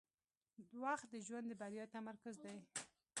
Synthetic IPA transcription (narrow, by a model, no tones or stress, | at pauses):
d̪waxt̪̚d̪əʒwand̪əbaɾjɑt̪amaɾkʊzd̪aj